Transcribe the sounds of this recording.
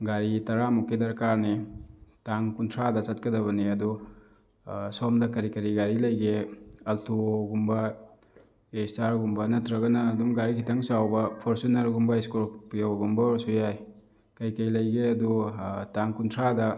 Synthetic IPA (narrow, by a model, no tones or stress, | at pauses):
ɡaɾitɐɾamukedɐɾkaɾnitaŋkuntʰɾadɐt͡ʃɐt̚kɐdɐβɐniɐdu | somdɐkɐɾikɐɾiɡaɾilɐjɡeɐltʰuoɡumbɐ | estaɾɡumbɐnɐtɾɐɡɐnɐːdumɡaɾikʰitʰɐŋsawbɐpʰɔɾsunɐɾɡumbɐeskulpijoɡumbɐsujaj | kɐjkɐjlɐjɡeɐdutaŋkuntʰɾadɐ